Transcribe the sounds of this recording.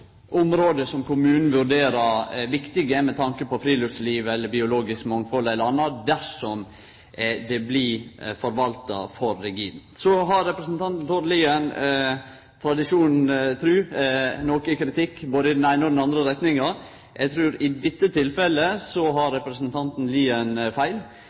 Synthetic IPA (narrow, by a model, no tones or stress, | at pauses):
ʔʊmɾoːd̪əsɔmkʊmʉːnn̩ʋʉɾɖeːɾɑɾʋɪkt̪ɪɡəmɛt̪ʰɑŋkəpɔfɾiːlʉft̪sliːʋɛlːəɾbɪʊloːɡɪskmɑŋfɔlɛlːəɾɑnːɑd̪æʂɔm | d̪ɛblɪfɔɾʋɑlt̪ɑ̰fɔɾːɛɡiːʋn̩sɔɦɑɾːɛpɾəsnt̪ʰɑnt̪n̩t̪ʰoɾliːən | t̪ʰɾɑd̪ɪʂuːnn̩t̪ʰɾʉːnoːkəkʰɾɪt̪ʰɪkːboːd̪əɪd̪ɛnæɪnəɔd̪ɛnɑnd̪ɾəɾɛt̪nɪŋɑ | ʔɛɡt̪ʰɾʉːɾɪd̪ɪt̪ːət̪ʰɪlfɛləsɔɦɑɾːɛpɾəsənt̪ʰɑnt̪n̩liːənfæɪl